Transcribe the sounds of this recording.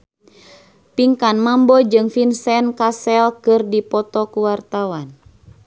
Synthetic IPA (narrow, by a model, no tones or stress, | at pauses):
piŋkanmambɔd͡ʒɨŋfinsɛnkasɛlkɨrdipɔt̪ɔkuwart̪awan